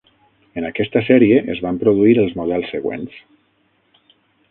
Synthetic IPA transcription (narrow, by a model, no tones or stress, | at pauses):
ənakɛst̪əsɛɾieʔəzβampɾuð̞uiɾəlˠzmuð̞ɛlˠsːəɣwḛns